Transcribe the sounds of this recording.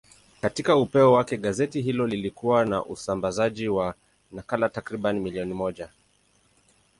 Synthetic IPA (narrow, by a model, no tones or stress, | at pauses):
katikaupɛɔwakɛɠazɛtiɦilɔlilikuwana̰ʔusambazaʄiwa | nakalatakɾiɓanimiliɔnimɔʄa